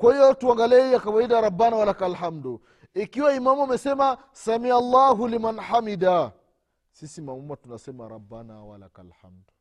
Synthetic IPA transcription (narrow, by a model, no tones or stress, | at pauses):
kwahijɔtuaŋɡaliɛijakawaidaɾabːanawalakalhamdu | ikiwaimamuamɛsɛma | samialːaɦulimanħamida | sisimamumatunasɛmaɾabːanawalakalhamdu